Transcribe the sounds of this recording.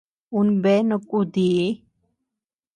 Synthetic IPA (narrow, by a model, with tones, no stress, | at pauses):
u˦nbe˦no˧kʼud̪i˨˦